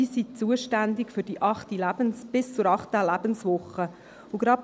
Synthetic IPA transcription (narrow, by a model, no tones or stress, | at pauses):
isit͡suəʃtændɪkfʏɾd̥iʔɑχtilæb̥ənsb̥ɪst͡sʊɾɑχtəlæb̥ənsʋʊχə | ʊɡɾɑp̚